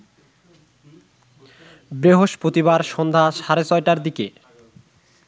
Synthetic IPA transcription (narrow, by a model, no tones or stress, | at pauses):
bɾeɦoʃpɾot̪iβaɾʃɔnd̪ʱaʃaɾet͡ɕɔjʈaɾd̪ike